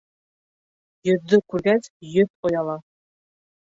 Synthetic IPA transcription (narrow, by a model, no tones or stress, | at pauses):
jɵ̆ðːɵkʉɾɡæsjɵðojɑlˠɑ